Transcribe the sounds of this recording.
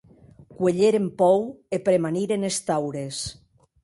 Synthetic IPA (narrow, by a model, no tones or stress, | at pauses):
kweʎeɾempɔwepɾemaniɾenest̪awɾes